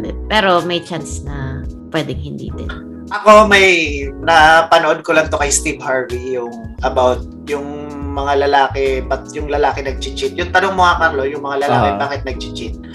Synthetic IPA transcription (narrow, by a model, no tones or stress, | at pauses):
d̪ɛpɛːɾo̞mɐjt͡ʃansnɐpwɛːd̪ɪŋhɪnd̪ḭːd̪ɪ̰n | ʔɐko̞mɐjnɐpɐnoʔod̪̚kolɐŋt̪okɐjst̪ibhaɹvijʊŋʔɐbawt̪̚jʊŋ | mɐŋalɐlaːkɛbɐt̪̚jʊŋlɐlaːkɛnɐɡ̚t͡ʃɪt͡ʃɪt̪̚jʊŋt̪ɐnoŋmoŋɐkɐɾlo̞jʊŋmɐŋalɐlaːkɛbaːkɪt̪̚nɐɡ̚t͡ʃɪt͡ʃɪt̪̚